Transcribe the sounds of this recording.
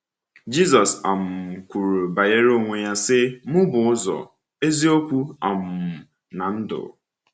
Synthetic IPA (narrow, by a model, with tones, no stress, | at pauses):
d͡ʒi˦zɔ˨sa˨m̩˨m̩˨kʷu˨ɾu˨ba˨je˦ɾo˦ŋʷe˨ja˦sɪ˦mʊ˦bʊ˨ʊ˦zɔ̰˨ | e˦zi˦o˦kʷu˦a˨m̩˨ | na˨n̩˦dʊ̰˨